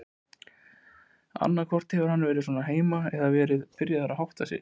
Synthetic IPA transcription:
a̰nːakʰvɔr̥t̪hɛvʏɾ̥hanːvɛːɾɪðs̬ɔːnaɦeːjmaɛðavɛːɾɪðfɪɾjaðθaɾːaɦawht̪asɪ̰ð

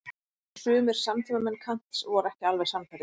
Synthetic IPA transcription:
sʏːmɛɾ̥samt̪ʰimamɛnːkʰan̥t̪sɔɣɔɾɛhcɪalvɛɾ̥samkʰajɾɪ

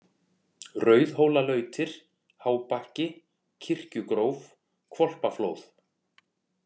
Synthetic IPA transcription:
rœːɥðhoːwlalœːɥt̪ʰɪɾ̥ | haːwpahcɪ | cʰɪr̥cʏkɾoːwv | kʰvɔl̥pafloːwθ

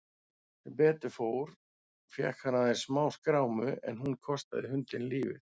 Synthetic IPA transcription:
pɛːt̪ʏfoːwɾ̥ | fjɛ̰hkhanːaðeɾ̥smaːwskɾaːwmʏɛ̰nɦunkʰɔst̪a̰ðɪhʏnt̪ɪnliːvɪ̰ð

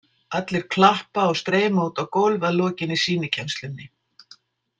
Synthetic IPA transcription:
at̪lɪɾ̥kʰlahpaɔɣst̪ɾɛːmauːt̪awkowlvaðlɔːcɪnːisiːnɪcʰanst̪lʏnːɪ

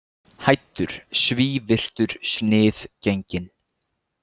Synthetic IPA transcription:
hajt̪ːʏɾ̥sviːvɪr̥t̪ʏɾ̥snɪːθceɲcɪn

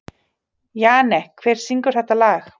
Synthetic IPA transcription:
jaːnɛhkʰvɛːɾ̥siŋkʏɾ̥θɛht̪alaːx

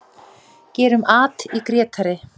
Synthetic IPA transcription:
cɛːɾʏmaːt̪ikɾɛːt̪ʰaɾɪ

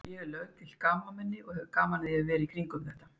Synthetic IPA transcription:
jɛlœːɥt̪ʰɪl̥kaːmamɛnːɪɔɣhɛvʏkaːmanɪðɪavɛːɾɪikʰɾiŋkʏmθɛht̪ḁ

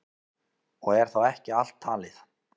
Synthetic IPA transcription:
ɔɣɛɾ̥θawɛhcɪal̥t̪ʰːaːlɪθ

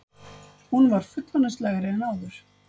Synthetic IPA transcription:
hunvaɾ̥fʏt̪lvanaslɛɣɾɪɛnaːwðʏɾ̥

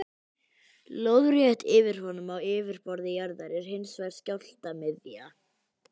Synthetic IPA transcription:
lowðrjɛht̪ɪːvɪɾ̥hɔnʏmawɪːvɪɾ̥pɔɾðɪjaɾðaɾɛɾ̥ɦɪnsvajɾ̥scawl̥t̪amɪðja

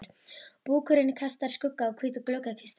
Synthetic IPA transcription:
ɾ̥puːkʰʏɾɪnkʰast̪aɾ̥skʊkːaɔkʰviːt̪ɔkloːwkakʰɪst̪

